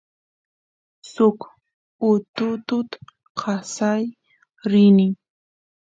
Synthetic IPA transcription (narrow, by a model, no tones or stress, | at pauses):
sʊk | ʊt̪ʊt̪ʊt̪ | qʰɑsaj | ɾɪnɪ